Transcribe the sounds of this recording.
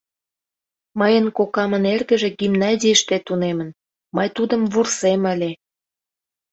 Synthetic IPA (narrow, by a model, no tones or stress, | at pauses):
məjənkokɑmənerɣə̆ʒĕɡimnɑzʲijəʃt̪et̪unemən | məjt̪ud̪əmvursemə̆lʲe